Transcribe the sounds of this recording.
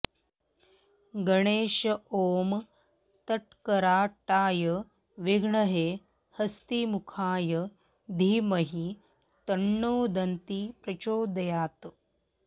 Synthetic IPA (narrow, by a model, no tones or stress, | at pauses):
ɡɐɳeːʃɐoːm | t̪ɐʈkɐɾaːʈaːjɐ | ʋiɡɳɐɦeː | hɐst̪imukʰaːjɐ | d̪ʱiːmɐɦi | t̪ɐɳːoːd̪ɐnt̪ipɾɐt͡ʃoːd̪ɐjaːt̪